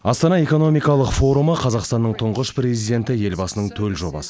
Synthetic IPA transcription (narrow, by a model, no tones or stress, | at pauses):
ɑst̪ɑnɑe̞ko̞no̞mijkɑlˠəqfo̞ɾuməqʰɑzɑqst̪ɑnːəɴt̪ʰʊɴʁəʃpɾe̞zijd̪e̞nt̪ɪje̞lbɑsənəɴt̪ʰɵlʒo̞̰bɑ̰sə̥